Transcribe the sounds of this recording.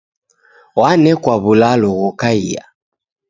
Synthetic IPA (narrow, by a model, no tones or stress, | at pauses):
wanɛkwaβulalɔɣɔkaija̰